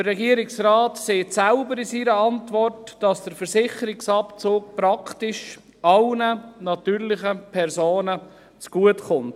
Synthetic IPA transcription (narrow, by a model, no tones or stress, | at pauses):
ərːɛɡiəɾɪksraːtseːtsælbəɾɪsiɾəɑntʋɔrtd̥ɑsd̥əɾfəɾsɪχəɾɪksɑpt͡soːk̚pɾɑktɪʃ | ɑlnənɑtyːɾlɪχəpʰɛɾsoːnə | t͡sɡ̥uətχʊnt